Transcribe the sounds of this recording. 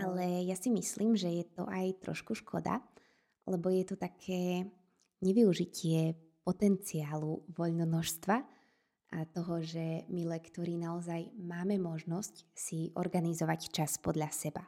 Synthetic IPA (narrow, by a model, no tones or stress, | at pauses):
ʔalɛjasimisliːmʒɛjɛt̪ɔ̰ʔajt̪ɾɔ̰ʃkuʃkʰɔ̰d̪a̰ | lɛbɔjɛt̪ɔt̪akʰɛː | ɲɛʋiuʒicɪɛ | pɔt̪ɛnt͡siaːluʋɔʎnɔnɔʃst̪ʋa | ʔat̪ɔɦɔʒɛmilɛkt̪ɔɾinaɔzajmaːmɛmɔʒnɔscsiʔɔ̰ɾɡanizɔʋact͡ʃaspɔd̪ʎasɛba